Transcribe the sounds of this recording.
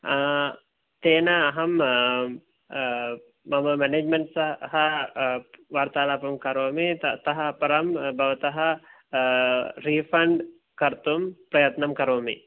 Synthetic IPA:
t̪eːnɐːɦɐm | mɐmɐmɛneːd͡ʒmeɳʈsɐhɐ | ʋaɾt̪aːlaːpɐmkɐɾoːmit̪ɐɦɐːpɐɾɐmbʱɐʋɐt̪ɐɦɐ | ɾifʰɐɳɖ | kɐɾt̪umpɾɐjɐt̪nɐmkɐɾoːmḭ

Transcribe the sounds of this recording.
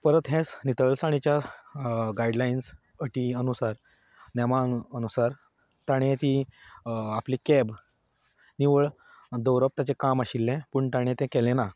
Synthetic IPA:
pəɾət̪ɦɛ̃snit̪əɭsaɽ̃it͡ɕja | ɡajɖlains | əʈiənusaɾ | nɛmaənusaɾ | t̪aɽ̃et̪i | aplikɛb | niʋəɭ | d̪əwɾəp̚t̪at͡ɕekamaɕilːɛ̃puɳt̪aɽ̃ẽt̪ɛ̃kɛlɛ̃na

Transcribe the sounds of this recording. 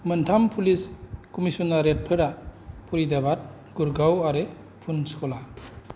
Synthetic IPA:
mɯntʰampʰuliskɔmisɔnaɾet̚pʰɯɾapʰulidabat̚ | ɡ̥uɾɡawaɾe | pʰunskɔla

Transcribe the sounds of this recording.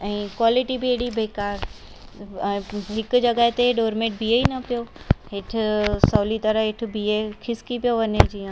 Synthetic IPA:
ɛ̃ːkwaːlɪʈibiɦeɽibeːkaːɾ | ɦɪkd͡ʑɐɡəɦet̪eɖoːɾmẽʈ̚bieinɐpijoɦɪʈ̆ʰsɐːlit̪ɐɾəɦɪʈ̆ʰbiekʰɪskipijoʋɐned͡ʑiã

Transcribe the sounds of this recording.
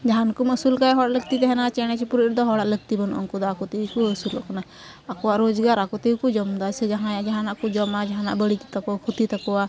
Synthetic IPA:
d͡ʒaɦankuməsulkaɛɦɔɽaʔləɡt̪it̪ɛɦɛnat͡ʃɛñɛt͡ʃʰipuɾiɾd̪ɔɦɔɽaʔləɡ̚t̪ibɔnʔɔ̰ŋkɔd̪ɔakɔt̪ɛikuəsulɔ̰ʔkana | akɔwaʔɾɔd͡ʒɡaɾakɔt̪ɛikud͡ʒɔmd̪asɛd͡ʒaɦãjad͡ʒaɦanaʔkɔd͡ʒɔmad͡ʒaɦana̰ʔbəɽit̪t̪akɔkʰut̪it̪akɔa

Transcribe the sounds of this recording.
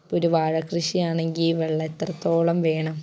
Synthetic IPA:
poɾuʋaːɻɐkrɨɕijaːɳe̞ŋɡilʋeɭːɐet̪rɐt̪ːo̞ːɭɐmʋe̞ːɳɐm

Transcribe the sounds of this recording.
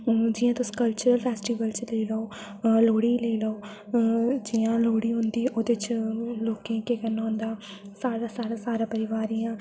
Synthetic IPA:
d͡ʒɪjãːt̪ʊsĩ̥ːkəlt͡ʃəɾəlpʰɛːsʈiːʋəlt͡ʃləiːləoː | loːɽiːləiːləoː | d͡ʒiːãːloːɽiːɦʊ̃nd̪iːʔoːd̪eːt͡ʃloːkẽːkeːkənːaːʊ̃nd̪aː | saːɽaːsaːɾaːsaːɾaːpəɾɪʋaːɾiːãː

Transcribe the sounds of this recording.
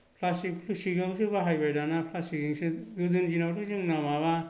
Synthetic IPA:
pʰlasikpʰlusiɡɯŋsɯbaɦajbajdanapʰlasikɯŋsɯɡɯzɯnd͡ʒinawtʰɯzɯŋnamaβa

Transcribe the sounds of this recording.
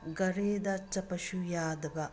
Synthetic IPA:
ɡɐɾeːd̪ɐt͡ʃːɐpɐʃujaːd̪ɐʋɐ

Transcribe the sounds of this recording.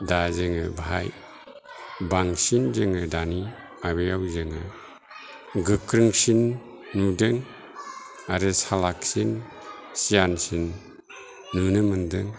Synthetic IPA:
dazɯŋɯbʱaj | baŋsinzɯŋɯdani | maβejawzɯŋɯ̰ | ɡɯkɾɯŋsinː | udɯŋ | aɾɯsalaksin | sijansinː | ɯnɯmɯndɯŋ

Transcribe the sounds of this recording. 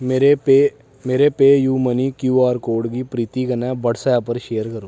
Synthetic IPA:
meɾepeː | meːɾepeːjuːmənikjuːaːɾkoːɾɖkipɾiːt̪iɡɐnɛ̃ːbɐɽsapəɾʃeːjəɾkəɾoː

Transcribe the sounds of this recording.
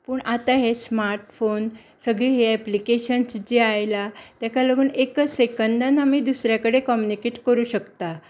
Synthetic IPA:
pəːɳʔat̪aɦesmaɾʈfon | səɡɭiːɦeɛplikeɕənsd͡ʑeajlat̪jakaləɡuːnekəsekənd̪anamiːd̪usɾjakəɽekɔmjunikeʈkəɾuːɕəkt̪a

